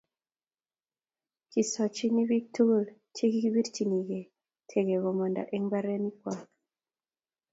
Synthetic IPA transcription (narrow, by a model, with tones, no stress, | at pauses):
ki˨sɔ˨t͡ʃi˦ni˦bi˦k̚tu˦ɡlt͡ʃe˦ki˦ki˦bi˦ɾt͡ʃi˨ni˨ɡe˨ | tʰe˨ɡe˨ɣɔ˨mɔ˨nda̰˨ʔe˦ŋba˦ɾɛ˦ni˦kwa˨k